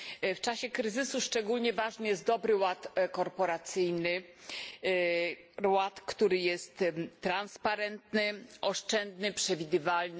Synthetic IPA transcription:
ft͡ʂaɕɛkɾɘzɘsuʂt͡ʂɛɡulʲɲɛvaʐnɘjɛst̪̚d̪ɔbɾɘwat̪kɔɾpɔɾat̪sɘjnɘ | wat̪kt̪uɾɘjɛst̪ːɾanspaɾɛnt̪nɘʔɔʂt͡ʂɛnd̪nɘpʂɛvʲid̪ɘvaln

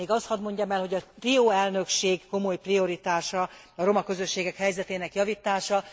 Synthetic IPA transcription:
eːɡɒst̪hɒd̪mo̞ɲɟɒmɛlɦo̞ɟɒt̪rioːɛlnø̞kʃeːɡko̞mojprio̞ɾit̪aːʃɒ | ɒɾo̞mɒkø̞zø̞ʃːeːɡɛkhɛjzɛt̪eːnɛkjɒvit̪ːaːʃɒ

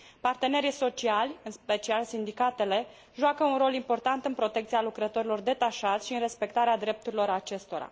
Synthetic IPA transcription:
part̪e̞ne̞ɾijso̞t͡ʃialʲɨnspe̞t͡ʃialsind̪ikat̪e̞le̞ | ʒoakəunɾo̞limpo̞rt̪ant̪ɨnpɾo̞t̪ekt̪sialukɾət̪o̞ɾilo̞rd̪e̞t̪aʃat̪sʲʃiɨnre̞spe̞k̚t̪aɾead̪ɾe̞p̚t̪uɾilo̞ɾat͡ʃe̞st̪o̞ɾa̰

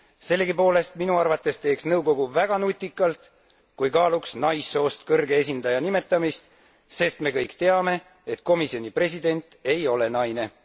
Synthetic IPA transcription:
se̞lːeɡipo̞ːle̞st̪minuɑrvɑt̪ːˑe̞st̪e̞ːksnɤwɡ̥o̞ɡ̥uvæɡ̥ɑnut̪ʲːˑikːˑɑlt̪ | kujkɑːluksnɑjsːo̞ːst̪kɤrɡ̥ees̬ʲind̪̥ɑjɑnime̞t̪ːˑɑmist̪ | se̞st̪me̞kɤjkt̪e̞ɑme̞ | et̪ˑko̞misio̞nʲipre̞sid̪e̞nʲt̪e̞jo̞le̞nɑjne̞

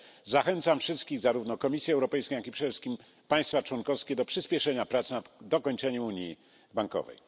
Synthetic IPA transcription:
zaxɛnt̪samfʂɘst̪̚kʲiɣzaɾuvnɔkɔmʲisʲjɛɛwɾɔpɛjskʲẽj̃akʲipʂɛd̪ɛfʂɘ̥skʲim | paj̃st̪fat͡ʂwɔnkɔfskʲɛd̪ɔpʂɘspʲjɛʂɛɲapɾat̪snad̪ɔkɔɲt͡ʂɛɲɛmuɲji | baŋkɔ̰vɛ̰j

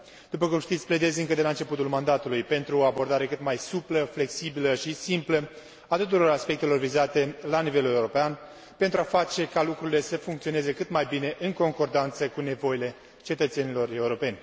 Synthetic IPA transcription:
d̪̥upəkumʃt̪it̪sʲple̞d̪e̞zɨŋkəd̪elaɨnt͡ʃe̞put̪ulmand̪at̪ulujpe̞nt̪ɾuoabo̞rd̪aɾe̞kɨt̪majsupləfle̞ksibiləʃisimplə | at̪ut̪uɾo̞ɾaspe̞k̚t̪e̞lo̞rvizat̪e̞lanive̞le̞uɾo̞pean | pent̪ɾuafat͡ʃe̞kalukɾuɾile̞səfuŋkt̪sio̞nezekɨt̪majbine̞ʔɨŋko̞ŋko̞rd̪ant̪səkune̞vo̞jile̞ | t͡ʃe̞t̪ət̪se̞nilo̞re̞uɾo̞pe̞nʲ

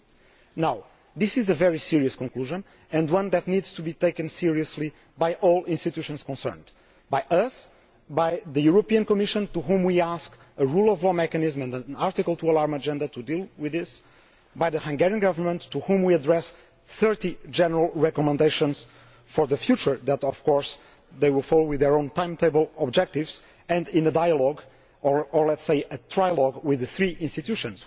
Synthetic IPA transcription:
naw | ðisizəvɛɹisiɹiɨskɔ̃ŋkluʒə̃n | ɨ̃ndwʌ̃nðɨt̪nidz̥t̪ʰubit̪eɪkɨ̃nsiɹiɨsli | bajʔɔlˠĩnst̪it̪juʃɔ̃nskɔ̃nsɜ̰̃˞nd̪ | bajʔʌs | bajðɨjuɾopiɨ̃nkɔmɪʃə̃nt̪uɦũmwiask | əɹulˠɔvlɔmɛkɨnizmɛ̃ndənaɹt̪ikəlˠt̪uəlaɹməd͡ʒɛ̃nd̪ɐt̪ʰud̪ilˠwɪðɪs | bajðəhãŋɡɛɹiɨ̃nɡʌvə˞mə̃ntʰːuhũmwiədɹɛs | θɜ˞tid͡ʒɛnəɹəlˠɹɛkɔmə̃nd̪eɪʃə̃nz̥ | fɔɹðəfjut͡ʃə˞ðæt̪ɔv̥kɔɹs | ðeɪwɪlˠfɔlˠowɪððəɹõʊ̃ntãɪ̃mt̪eɪbəlˠɔb̚d͡ʒɛk̚t̪ɪvz̥ | ɨ̃ndɪ̃nədajəlɔɡ | ɔɹɔɹlɛtseɪɨt̪ʰɹajəlɔɡwɪðɨθɹiʔĩnst̪it̪juʃɔ̃ns

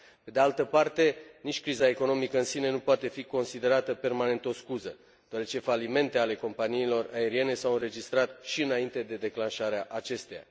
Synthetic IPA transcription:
pe̞d̪ealt̪əpart̪e̞nit͡ʃʲkɾizae̞ko̞no̞mikəɨnsine̞nupoat̪e̞fiko̞nsid̪e̞ɾat̪əpe̞rmane̞nt̪o̞skuzə | d̪̥oaɾe̞t͡ʃe̞falime̞nt̪e̞ale̞ko̞mpaniːlo̞rae̞ɾie̞ne̞sawɨnɾre̞d͡ʒist̪ɾat̪ʃiɨnaint̪e̞d̪e̞d̪e̞klanʃaɾeaʔat͡ʃe̞st̪eja̰

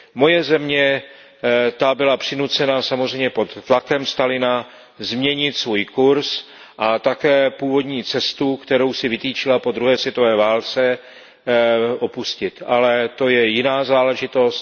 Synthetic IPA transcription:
mo̞jɛzɛmɲɛ | t̪abɪlapr̝̥ɪnut͡sɛnasamozr̝ɛjmɲɛpo̞t̪ːlakɛmst̪alɪna | zmɲɛɲɪt̪svuːjkuɾs | ʔat̪akɛːpuːvo̞d̪ɲiːt͡sɛst̪ukt̪ɛɾo̞wsɪvɪt̪iːt͡ʃɪlapo̞d̪ɾuɦɛːsvjɛt̪o̞vɛːvaːlt͡sɛ | ʔo̞puscɪt̪ʔalɛt̪o̞jɛjɪnaːzaːlɛʒɪt̪o̞st̪

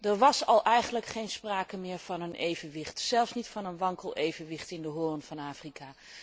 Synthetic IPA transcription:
dəɹʋɑsɑlˠʔɛjχənləkχejnspraːkəmɪːɹv̥ɑnənʔejvənʋɪχtsɛlˠfsnitfɑnənʋɑŋkəlˠejvənʋɪχtɪndəɦʊːrnvɑnaːfrikaː

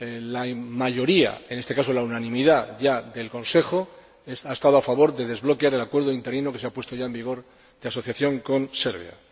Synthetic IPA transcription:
lamaʝo̞ɾia̰ene̞st̪e̞kaso̞launanĩmiðaʝaðe̞lkõ̞nse̞xo̞ | esaest̪að̞oafaβo̞ɾðe̞ðe̞zβlo̞keaɾe̞lakwe̞ɾð̞oint̪e̞ɾino̞keseapwest̪o̞ʝae̞mbiɣ̞o̞ɾ | ðeaso̞θjaθjo̞ŋko̞nse̞ɾβja̰

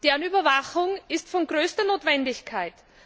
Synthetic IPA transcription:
d̥eːɐnyːbɐvaxʊŋɪstfɔnɡʁøːstɐnoːtv̥ɛndɪçkʰaɪt

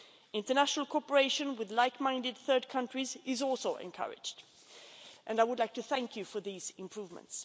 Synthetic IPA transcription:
ɪ̃ntə˞næʃnəl̩ˠkʰɔɹpə˞eɪʃɨ̃nwɪðlaɪkmãɪ̃ndɨd̪̚θɜ˞d̚kʰʌ̃ntɹ̥izɪzɔlˠsoʊʔɨ̰̃nkʰʌ̰ɹɪ̰d͡ʒd | ʔɨ̃naɪwʊdˡlaɪk̚tʰɨθæ̃ŋkʰjɨfə˞ðizɪ̃mpʰɹ̥uvmə̰̃nts

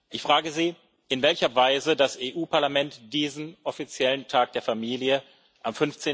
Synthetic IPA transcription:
ʔɪçfʁ̥aːɡəziː | ɪnvɛlçɐvaɪzədasʔeːʔuːpʰaɐlamɛntd̥iːzn̩ʔɔfit͡sjɛləntʰaːk̚d̥eːɐfamiːljə | ʔamfʏnft͡seː

